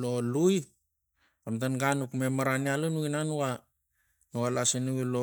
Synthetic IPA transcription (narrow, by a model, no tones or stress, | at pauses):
loluj | amtanɡanukmemaɾanialunuinanuwa | noalasenuwilo